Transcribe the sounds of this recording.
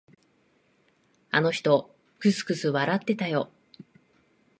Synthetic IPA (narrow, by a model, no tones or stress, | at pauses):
ano̞çi̥t̪o̞ | kɯ̟sɨ̥kɯ̟sɨβaɾat̪ːe̞t̪ajo̞